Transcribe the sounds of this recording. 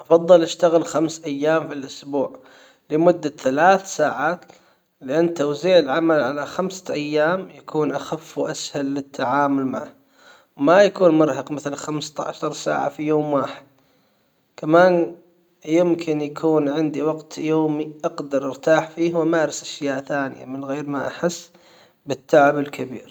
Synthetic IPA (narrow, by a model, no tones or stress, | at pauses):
ʔɑfɑðˤːɨlʔaʃt̪aɣɪlxamsʔajːaːmfilʔʊsbuːʕ | lɪmʊd̪ːaθalaːθsaːʕaːt̪ | lɪʔanːt̪owziːʕɪlʕamalʕalaxamsaʔajːaːmjakuːnʔaxafːwʔashalːɪt̪ʰːaʕaːmʊlma̰ʕ | wmajakuːnmʊɾˤɦɑqmɪθlxamst̪a̰ʕaʃɑɾˤsa̰ːʕa̰fijoːmwaːħɪd̪̥̚ | kamaːn | jɪmkʰɪnjakʰuːnʕɪnd̪iwɑɡt̪joːmiʔɑɡd̪ɑɾˤʔɪɾt̪aːħfiːhwamaːɾɪsʔaʃjaːʔθaːnɪja̰mɪnɣeːɾmaʔaħɪsː | bɪt̪ʰːaʕɪbɪlkʰabḭːɾ